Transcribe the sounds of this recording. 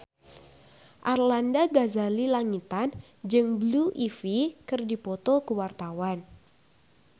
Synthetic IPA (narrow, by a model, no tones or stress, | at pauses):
ʔarlandaɡazalilaŋit̪an | d͡ʒɨŋbluʔifikɨrdipɔt̪ɔkuwart̪awan